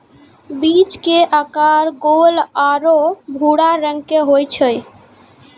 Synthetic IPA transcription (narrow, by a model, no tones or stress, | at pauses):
bit͡ʃkeʔakaɾɡolaɾobʱuɽaɾəŋɡkeɦojt͡ʃʰəj